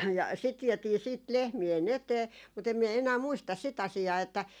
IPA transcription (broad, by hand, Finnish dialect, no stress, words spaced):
jɑ sit ʋiɛtiː siːt lehmien eteː mut em miɛ enæː muistɑs sit ɑsiɑː etːæ